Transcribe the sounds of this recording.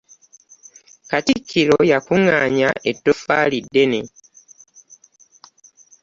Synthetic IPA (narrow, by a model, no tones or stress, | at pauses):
katikʰːiɾojakuŋa̰ːɲaʔetːofaːlidːe̞ne